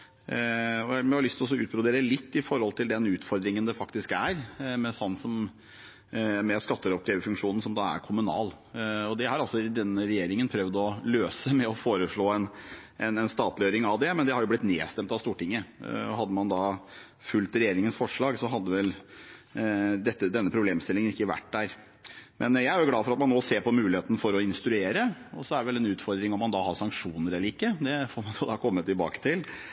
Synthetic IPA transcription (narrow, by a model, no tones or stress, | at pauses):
ɔmɛhɑlʏst̪ʰlɔs̬ɔʉ̰ːt̪̚ɾʊd̪eːɾəlɪt̪ːɪfɔɾhɔlt̪ʰɪld̪ɛnʉːt̪fɔɾd̪ɾɪŋənd̪ɛfɑkt̪ɪskæɾmɛsɔnːsɔm | mɛskɑt̪ːəɾɔp̚d̪ɾeːʋəfʉŋkʂuːnn̩sɔmd̪ɑːæ̰ɾkʰʊmʉnɑ̰ːl | ɔd̪ɛhɑɾɑlsɔd̪ɛnːəɾɛjeːɾɪŋənpʰɾœʋd̪ɔløːsəmɛɔfoːɾəʂɭoːɛnɛnɛnst̪ɑːt̪lɪjøːɾɪŋɑʋd̪ɛmɛnd̪ɛhɑɾjʊblɪt̪nḛːst̪ɛmpt̪ɑʋst̪uːʈɪŋːəɔ̰ɦɑd̪ːəmɑnd̪ɑ | fʉlt̪ɾɛjeːɾɪŋənsfɔʂɭɑːɡsɔɦɑd̪ːəʋɛl | d̪ɛt̪ːəd̪ɛnːəpʰɾʊbleːmst̪ɪlːɪŋənɪkːəʋæ̰ʈːd̪æːɾ | mʔɛnjæɪæɾjʊɡlɑːfɔɾɑt̪mɑnːoːseːɾpɔmʉːlɪheːt̪ənəfɔɾɔɪnst̪ɾʉeːɾəɔ̰sɔæɾɖɛʋɛlɛnʉːt̪fɔɾd̪ɾɪŋɔmːɑnd̪ɑhɑɾʂɑŋkʂuːnəɾɛlːəɾɪkːəd̪ɛfoːɾmɑnd̪od̪ɑːkʰɔmːət̪ʰːɪlbɑ̰ːkə̥t̪ʰɪl